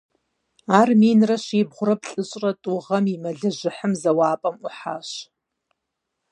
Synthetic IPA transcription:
aːrmiːnrɐʃiːbʁʷʊrɐp̚ɬʼɨɕʼrɐtʼuʁɐmimɐɮɐʒɪħəmzɐwaːpʼɐmuħa̰ːʃ

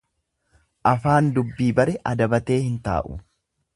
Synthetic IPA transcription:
ʔɐfaːnd̪ʊbːiːbɐɾɛʔɐd̪ɐbɐt̪e̞ːhɪnt̪a̰ːʔʊ̰

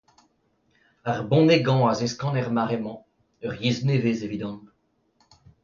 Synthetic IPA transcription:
aʁbɔ̃neɡɑ̃azeskɑ̃nɛʁmaʁemɑ̃ | œʁjezneveːzevid̪ɔ̃n

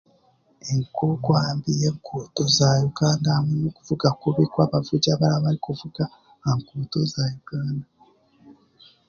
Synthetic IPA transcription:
eŋkʰokwambije̞ːŋkʰoːto̞zajuɡaːndamunokuvuɡakuβekwaβavuɟaβalaβalikuvuɡaː | ŋkoːto̞zajuɡ̥aːnda

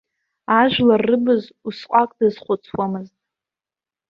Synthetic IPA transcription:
aʒᶣlarːɨbɨzusqʷʼakʼdɨzχʷʊt͡sʰwamɨztʼ

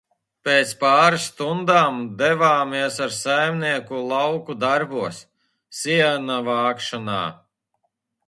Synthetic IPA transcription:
peːt̪spaːɾɨsːt̪und̪aːmd̪ɛvaːmiɛsaɾsajmniɛkulˠɑwkud̪aɾbuɔsː | iɛnavaːkʃɔna̰ː

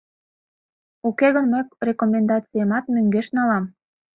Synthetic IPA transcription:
ukeɣənməjrekomend̪ɑt͡sijemɑt̪møŋɡeʃnɑlɑm

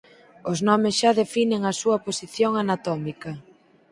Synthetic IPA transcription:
ʊznɔmɪsʃaðefineŋɐsuɐposiθjoŋanat̪ɔmikɐ

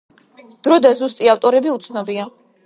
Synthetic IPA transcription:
d̪̥ɾɔd̪azust̪ʼiaft̪ʼɔɾɛbiut̪sʰnɔbia

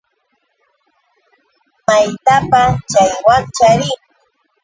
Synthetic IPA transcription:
majt̪apat͡ʃajwant͡ʃaɾɪŋ

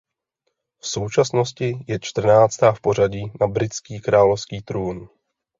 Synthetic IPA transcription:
fso̞wt͡ʃasno̞scɪjɛt͡ʃt̪r̩naːt͡st̪aːfpo̞r̝aɟiːnabɾɪt͡skiːkɾaːlofskiːt̪ɾuːn

